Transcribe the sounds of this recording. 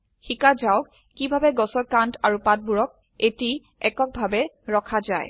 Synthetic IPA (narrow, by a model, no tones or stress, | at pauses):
xikazawk | kːibʱabɛɡɔsɔɹkantaɹupat̚buɹɔk̚ | eti | ɛkɔk̚bʱabɛ | ɹɔkʰaza̰j